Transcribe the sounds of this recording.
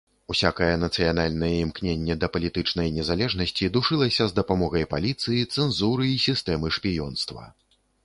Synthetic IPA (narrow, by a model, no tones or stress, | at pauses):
usʲakɐjɛnɐt̪sɨjanalʲnɐjɛimknʲenʲːɛd̪ɐpɐlʲit̪ɨt͡ʂnɐjnʲɛzalʲɛʐnɐsʲt͡sʲid̪uʂɨlˠɐsʲɐzd̪ɐpamɔɣɐjpalʲit̪sɨjit̪sɛnzuɾɨisʲist̪ɛmɨʂpʲijɔnst̪vɐ̰